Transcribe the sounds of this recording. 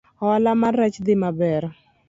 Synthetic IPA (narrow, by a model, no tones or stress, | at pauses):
lamaɾɛt͡ʃd̪ɪmabɛr